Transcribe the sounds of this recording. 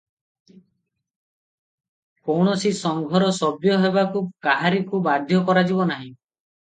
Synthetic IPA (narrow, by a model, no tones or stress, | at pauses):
kowɳ̃ɔsisɔŋɡʱɔɾɔsɔbjɔɦebakukaɦaɾikubad̪ʱjɔkɔɾad͡ʒibɔnaɦĩ